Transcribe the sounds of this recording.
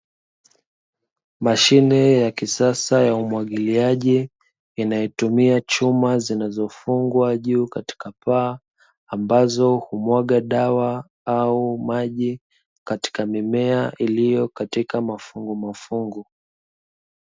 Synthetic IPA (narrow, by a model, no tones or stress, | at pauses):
maʃinɛjakisasajaumwaɠiliaʄiː | najɔtumiat͡ʃumazinazɔfuŋɡwaʄuːkati̥kapaː | mbazɔhumwaɠaɗawa | aumaʄi | kati̥kamimɛaʔilijɔkatikamafuŋɡumafuŋɡu